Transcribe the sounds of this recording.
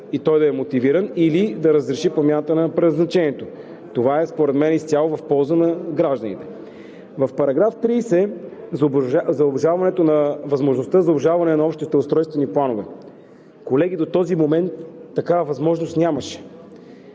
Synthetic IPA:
it̪ɔjd̪ɐɛmot̪iviɾənilid̪ɐɾəzɾɛʃipomʲjanət̪ənɐpɾɛznɐt͡ʃɛnʲiɛt̪o | t̪ovaɛspoɾɛd̪mɛnist̪ʲjalˠovɐfpɔlˠzənɐɡɾaʒd̪ənḭt̪ɛ̥ | vɐfpɐɾɐɡɾaft̪ɾisɛ | zzɐobʒalˠvɐnɛt̪onɐvɐzmoʒnost̪əzɐobʒavɐnɛnɐɔpʃt̪it̪ɛʊst̪ɾɔjst̪vɛniplˠanovɛ̰ | kolɛɡ̟id̪ot̪ɔzimomɛnt̪ːɐkavɐvɐzmɔʒnost̪nʲaməʃɛ̥

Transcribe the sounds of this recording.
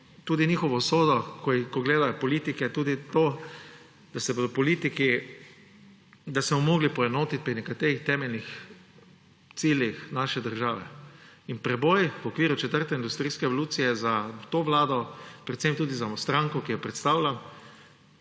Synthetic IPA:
t̪uːd̪iniːxɔʋɔsoːd̪ɔkʰɔkɔɡleːd̪ajɔpɔliːt̪ikɛt̪uːd̪it̪oː | d̪̥asɛbod̪ɔpɔliːt̪iki | d̪asmɔmoːɡlipɔɛnoːt̪it̪̚pɾinɛkat̪eːɾixt̪ɛːmɛlnix | t̪siːljixnaʃɛd̪əɾʒaːʋɛ̰inpɾɛbojwɔkʋiːɾut͡ʃɛt̪əɾt̪ɛind̪ust̪ɾiːskɛɛʋɔluːt̪sijɛzat̪oːʋlaːd̪ɔpɾɛt̪semt̪uːd̪izamɔst̪ɾãŋkɔkijɛpɾɛt̪st̪aːwlʲam

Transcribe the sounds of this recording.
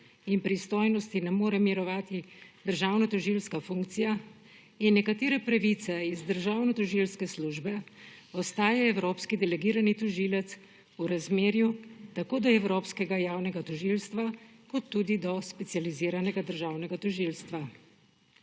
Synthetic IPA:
inpɾist̪oːjnɔst̪inɛmoːɾɛmiɾɔʋaːt̪id̪̥əɾʒaːwnɔt̪ɔʒilskafuŋkt̪sija | inːɛkat̪eːɾɛpɾaʋit̪sɛizd̪əɾʒaːwnɔt̪ɔʒilskɛsluːʒbɛ | ɔst̪aːjaɛwɾoːpskid̪ɛlɛɡiːɾanit̪ɔʒilɛt̪s | uɾazmeːɾjut̪akoːd̪ɔɛwɾoːpskɛɡajaːwnɛɡat̪ɔʒiːlst̪ʋakɔt̪ːuːd̪id̪ɔspɛt̪sjaliziːɾanɛɡad̪əɾʒaːwnɛɡat̪ɔʒiːlst̪ʋa

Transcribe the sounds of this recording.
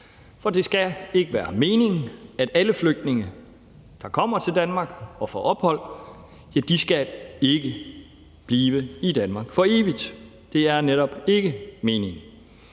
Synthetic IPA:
fɒ̽d̥e̝sɡ̥æe̝ɡ̥əʋæːɐme̝ːne̝ŋæd̥æləfløɡ̥̚d̥ne̝ŋə | d̥ɑ̈kʰɒ̽m̰ɐt͡sʰe̝ld̥ænmɑ̈ɡ̥ɒ̽fɒʔɒ̽b̥hɒ̽l̰ | jæd̥isɡ̥æe̝ɡ̥ə | b̥liːʋəid̥ænmɑ̈ːɡ̥fɒ̽e̝ːʋid̥ | d̥e̝æɐneɾɒ̽b̥e̝ɡ̥əme̝ːne̝ŋ

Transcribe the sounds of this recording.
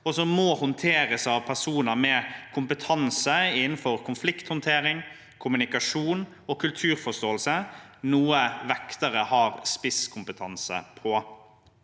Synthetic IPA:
ɔsɔmɔːhʊnt̪ʰeːɾəsɑːʋpʰæsuːnəɾmɛkʰʊmpət̪ʰɑnsəɪnn̩fɔɾkʰʊnflɪkt̪hɔnt̪ʰeːɾɪŋ | kʰʊmʉnɪkɑʂuːn | ɔkʰʉlt̪ʰʉːɾfɔst̪oːəlsənuːəʋɛkt̪əɾəhɑːɾspɪskʰʊmpət̪ʰɑnsə̰pʰɔ

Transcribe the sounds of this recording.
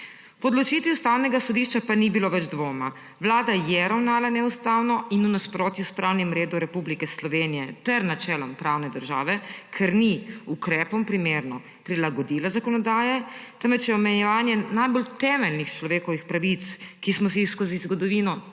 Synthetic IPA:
pɔd̪lɔt͡ʃiːt̪ʋiust̪awnɛɡasɔd̪iʃt͡ʃapanibiloʋɛd͡ʒd̪ʋoːma | ʋlaːd̪ajɛɾawnaːlanɛust̪awnɔinunaspɾoːt̪juspɾawnimɾeːd̪uɾɛpublikɛslɔʋeːnijɛt̪ɛɾnat͡ʃɛːlɔmpɾawnɛd̪əɾʒa̰ːʋɛkʰɛɾniukɾɛːpɔmpɾimeːɾnɔ | pɾilaɡɔd̪ilazakɔnɔd̪aːjɛt̪əmʋɛt͡ʃjɛɔmɛjɛʋaːnjɛnajbolt̪ɛːmɛlnixt͡ʃlɔʋeːkɔʋixpɾaʋit̪skismɔsiskozizɡɔd̪ɔʋiːnɔ

